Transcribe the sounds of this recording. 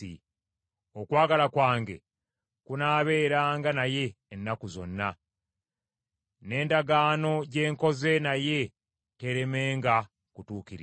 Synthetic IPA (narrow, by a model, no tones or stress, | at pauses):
ḭ | okwaːɡalakwaːŋɡe̞̰ | kunaːβe̞ːɾaːŋɡanaje̞ːnːakuzo̞̰nːa | ne̞ːndaɡaːno̞ɟe̞ːŋko̞ze̞naje̞ | te̞ɾe̞me̞ːŋɡa | kutuːkiɾi